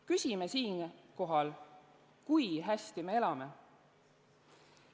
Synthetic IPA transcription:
kysʲime̞siːnko̞ɦɑl | kujɦæst̪ime̞e̞lɑme̞

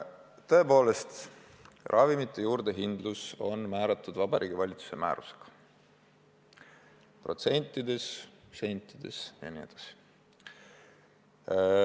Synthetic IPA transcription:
t̪ɤ̞epo̞ːle̞st̪ | rʔɑvimit̪ːˑejuːɾd̪̥e̞ɦind̪luso̞nmæːɾɑt̪ːˑud̪vɑb̥ɑɾʔiːɡivɑlʲit̪su̥se̞mæ̰ːɾuseɡ̥ɑ̥ | pro̞t̪se̞nʲt̪ːˑid̪̥e̞sse̞nʲt̪ːˑid̪̥e̞̰sjɑ̰nie̞d̪̥ɑsi̥

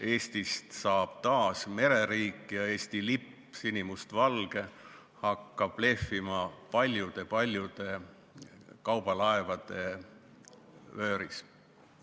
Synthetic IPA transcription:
e̞ːst̪ist̪sɑːb̥t̪ɑːsme̞ɾe̞ɾiːkːˑjɑe̞ːst̪ilipːsinimust̪vɑlɡ̥e̞ | hɑkːɑb̥le̞fimɑpɑlʲjud̪̥e̞pɑlʲjud̪̥e̞ | kɑwb̥ɑlɑevɑd̪̥e̞ | ø̞ːɾis

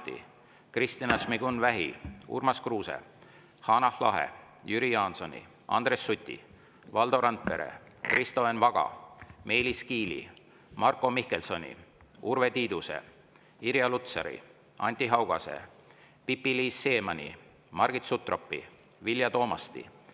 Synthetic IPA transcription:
t̪ːḭ | krist̪inɑsmiɡunvæɦḭṵrmɑskruːsḛ | hɑnɑhlɑɦḛ | jyɾiɑːnso̞nʲḭ | ɑ̰nd̪̥resːut̪ʲːḭ | vɑld̪o̞ɾɑnt̪̚pe̞ɾḛkrʔist̪oenvɑɡ̥ɑ̰me̞ːliskiːlḭ | mɑrko̞mihkelso̞nʲḭurve̞t̪iːd̪use̞̰ | iɾjɑlut̪sɑɾḭ | ɑnʲt̪iɦɑwɡ̥ɑse̞̰ | pipːiliːsːe̞ːmɑnʲḭ | mɑrɡ̥it̪sut̪ro̞pːḭ | vilʲjɑt̪o̞ːmɑst̪ḭ

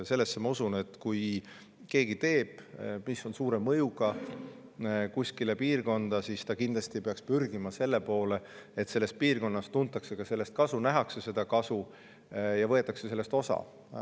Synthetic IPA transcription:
se̞lːe̞sːemɑusune̞t̪kuj | ke̞ːɡ̥it̪e̞ːb̥miso̞nsuːɾe̞mːɤ̞juɡ̥ɑ | kusʲkilepiːrko̞nd̪̥ɑsist̪ɑkind̪̥lɑst̪iepeɑkspyrɡ̥imɑse̞lːepo̞ːleet̪se̞lːe̞st̪̚piːrko̞nːɑst̪unt̪ːˑɑkse̞kɑse̞lːe̞st̪̚kɑsunæɦɑkse̞se̞d̪̥ɑkɑsu | jɑvɤ̞et̪ːˑɑkse̞se̞lːest̪osɑ̰

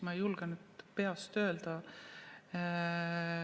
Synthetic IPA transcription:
mɑjulɡ̥ɑnud̪peɑst̪ø̞ːld̪̥ɑ

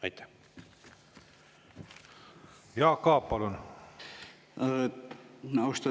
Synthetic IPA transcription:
ɑjt̪ːæ̥ | jɑːkɑːpːɑlun | nɑwst̪ɑ

